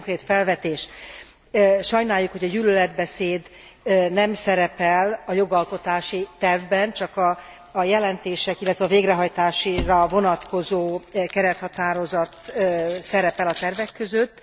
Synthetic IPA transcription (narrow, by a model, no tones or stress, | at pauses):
ŋkreːt̪fɛlvɛt̪eːʃ | ʃɒjnaːjːukho̞ɟɒɟyløːlɛd̪bɛseːd̪ | nɛmsɛɾɛpɛlɒjo̞ɡɒlko̞t̪aːʃit̪ɛrvbɛnt͡ʃɒkɒː | jɛlɛnt̪eːʃɛkilːɛt̪ʋɛɒːveːɡrɛɦɒjt̪aːʃirɒvo̞nɒt̪ko̞zoːkɛɾɛt̪hɒt̪aːɾo̞zɒt̪ːsɛɾɛpɛlɒt̪ɛrvɛkːø̞zø̞t̪ː